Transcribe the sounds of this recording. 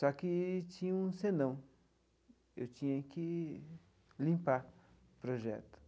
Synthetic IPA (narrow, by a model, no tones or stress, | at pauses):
sakɪt͡ʃĩɲɐũsenɐ̃w̃ | ḛwt͡ʃĩɲɐkɪ | lĩmpa | pɾoʒɛ̰t̪ʊ̥